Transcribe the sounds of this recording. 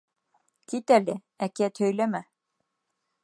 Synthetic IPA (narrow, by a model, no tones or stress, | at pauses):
k̪ʰit̪ælɘ | ækæt̪ʰœjlæmæ